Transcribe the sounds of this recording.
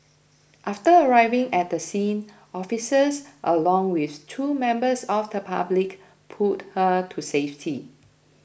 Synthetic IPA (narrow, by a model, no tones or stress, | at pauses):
ʔaftəəɹaɪvɪ̃ŋɛt̚dəsĩn | ʔɔfisəsʔəlɔ̃ŋwiθtʰumɛ̃mbəsɔfdəpʰa̰blik | pʰut̚hətʰuseftʰi